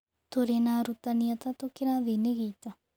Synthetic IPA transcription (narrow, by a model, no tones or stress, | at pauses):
t̪ʰoːɾeːnaːɾut̪anɪjət̪ãt̪õkɪɾãːd̪eːneɡiːt̪a